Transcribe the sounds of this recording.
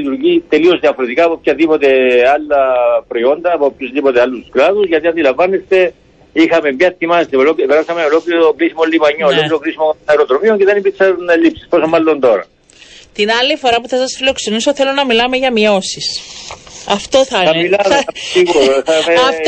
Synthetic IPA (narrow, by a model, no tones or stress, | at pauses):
it̪uɾʝit̪e̞lio̞zðiɐfo̞ɾet̪ikaːpopçɐðipo̞t̪e̞ɐlːɐpɾoio̞nd̪ɐːpopçuzðipo̞t̪ealːusklɐðuzʝɐt̪iɐnd̪ilɐɱvɐnːest̪e̞ | ixɐmemɐt̪ːimɐst̪eolopeɾasɐmeolokliokɾisimolːimɐɲːoololiɾokɾisimokonɐɾot̪ɾomioɲceðenipikseɾunelipsi̥st̪o̞somːɐlːo̞nd̪o̞ɾɐ̰ | t̪inɐlːifoɾɐpuθɐsɐsfilo̞kse̞niso̞θelo̞nɐmilɐme̞ʝɐmio̞sis | ɐft̪oθɐɐmilɐsiɣuɾoθɐme